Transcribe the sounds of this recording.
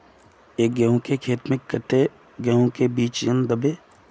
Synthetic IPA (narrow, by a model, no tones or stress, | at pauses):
eːk̚ɡɐɦõkekʰeːt̪mɪkːəʈe | ɡɐɦõkebiːt͡ʃjənd̪əbeː